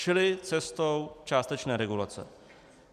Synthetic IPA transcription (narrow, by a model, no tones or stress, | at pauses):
ʃɪlɪt͡sɛst̪owt͡ʃaːst̪ɛt͡ʃnɛːɾɛɡula̰t͡sɛ̰